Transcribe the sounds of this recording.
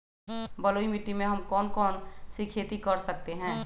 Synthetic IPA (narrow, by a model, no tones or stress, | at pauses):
bɐloimiʈːimẽɦɐmkɔːnkɔːnsikʰet̪ikɐɾsɐk̚t̪eɦɛ̃ː